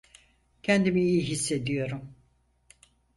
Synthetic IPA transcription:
cʰɛnd̪imiijiɦisːe̞d̪ijo̞ɾum

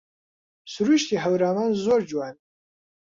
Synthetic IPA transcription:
suɾuʃt̪iɦəwɾaːmaːnzoːɾd͡ʒwaːn

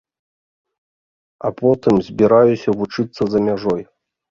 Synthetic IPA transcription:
apɔt̪ɨmzʲbʲiɾajusʲɐvut͡ʂɨt̪sːɐzɐmʲaʐɔj

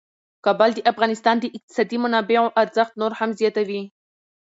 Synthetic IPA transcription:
kɑbald̪əʔafɣɑnɪst̪ɑnd̪əʔɪq̚t̪ɪ̥sɑd̪imʊnɑbeoʔaɾzəxt̪noɾhamzjɑt̪awi

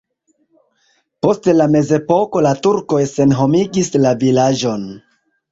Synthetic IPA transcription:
po̞stlame̞ze̞po̞ko̞latuɾko̞jse̞nɦo̞miɡislavilad͡ʒo̞n

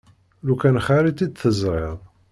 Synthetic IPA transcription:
lukænχaɾit̪id̪θəzɾeðˤ

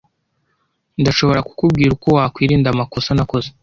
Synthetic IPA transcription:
ndaʃo̞βo̞ɾaku̥kub̚ɡiːɾuko̞waːkwiːɾiːndamako̞sanako̞ze

